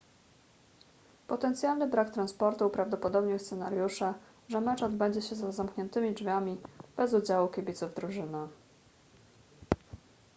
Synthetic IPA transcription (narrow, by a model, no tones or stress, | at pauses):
pɔt̪ɛnt̪sʲjalnɘbɾakt̪ɾanspɔɾt̪upɾavd̪ɔpɔd̪ɔbɲɛst̪ɛnaɾjuʂɛ | ʐɛmɛt͡ʂɔd̪bɛɲd͡ʑɛɕɛzazamkɲɛnt̪ɘmʲiʐvʲamʲib̥ɛzud͡ʑawukʲebʲit̪suvd̪ɾuʐɘna